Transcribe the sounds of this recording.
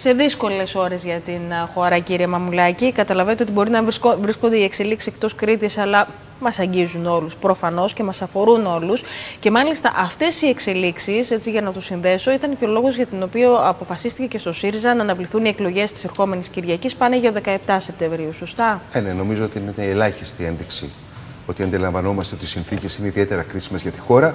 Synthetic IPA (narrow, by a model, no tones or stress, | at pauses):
se̞ðisko̞le̞so̞ɾe̞zʝɐt̪inxo̞ɾɐciɾiɐmɐmulɐcikɐt̪ɐlɐve̞net̪eo̞t̪ibo̞ɾinɐvovɾiskond̪eiekse̞liksi̥sek̚t̪o̞skɾit̪isɐlɐ | mɐsɐɲɟizuno̞luspɾo̞fɐno̞sce̞mɐsɐfo̞ɾuno̞lusce̞mɐlist̪ɐ̰ʔɐft̪e̞sie̞kse̞liksise̞t͡siʝɐnɐt̪usinðe̞so̞it̪ɐnceo̞lo̞ɣo̞zʝɐt̪ino̞pioɐpo̞fɐsist̪ice̞ce̞st̪o̞siɾizɐnɐːnɐvliθunie̞klo̞ʝe̞st̪i̥se̞ɾxo̞me̞nisciɾʝɐcispɐneʝɐoðe̞kɐe̞p̚t̪ɐse̞p̚t̪eɱvɾiusost̪ɐeneno̞mizo̞ot̪iineeelɐçist̪ie̞nðiksḭ | o̞t̪iɐnd̪ilɐɱvɐno̞mɐst̪eo̞t̪isinθice̞sineiðie̞t̪e̞ɾɐkɾisimezʝɐt̪i̥xo̞ɾɐ